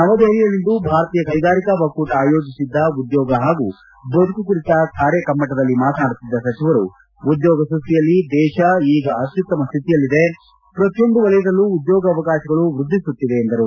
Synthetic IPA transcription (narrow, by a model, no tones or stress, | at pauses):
nɐmɐd̪eɦlijɐlːind̪ubʱaːɾɐt̪iːjɐkɐjɡaːɾikɐbɐkuːʈaːjo̞ːd͡ʒisid̪ːɐud̪jɔːɡɐɦaːɡu | bɐd̪ukukuɾit̪ɐkʰaːɾjɐkɐmːɐʈɐd̪ɐlːimaːt̪ɐnaːɽut̪ːid̪ːɐsɐt͡ʃiʋɐɾṵ | ud̪jɔːɡɐsust̪ijɐlːid̪ɛːʃɐiːɡɐɐt̪jut̪ːɐmɐst̪ʰit̪ijɐlːid̪e | pɾɐt̪jond̪uʋɐɭɐjɐd̪ɐlːuːd̪jɔːɡɐːʋɐkaːʃɐɡɐɭuʋɾud̪ʱːisut̪ːid̪e̞ːnd̪ɐɾu